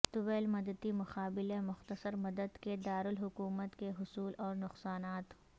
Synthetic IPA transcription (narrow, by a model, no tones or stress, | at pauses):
t̪ʊʋɛːlmɐd̪əd̪imʊxaːbɪlemʊxt̪əsəɾmɐd̪əd̪ked̪aːɾʊlɦʊkuːmət̪keɦʊsuːlɔːɾnʊxsaːnaːt̪